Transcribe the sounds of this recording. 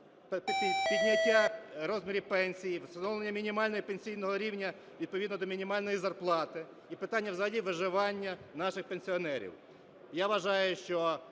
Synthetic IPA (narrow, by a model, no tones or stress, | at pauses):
pʲid̪ʲnʲɐtʲːaɾɔzmʲiɾʲipɛnʲsʲijiʋst̪ɐnɔwlˠenʲːɐmʲinʲimɑlʲnɔjipenʲsʲijnɔɦɔɾʲiwnʲɐ | ʋʲid̪̚pɔid̪nɔd̪ɔmʲinʲimɑlʲnɔjizɐrplˠɑt̪ɪ | ipɪt̪ɑnʲːɐwzɐɦɐdʲiʋɪʒɪʋɑnʲːɐnɑʃɪxpenʲsʲiɔnɛɾʲḭw | jaʋɐʒɑjʊʃt͡ʃɔ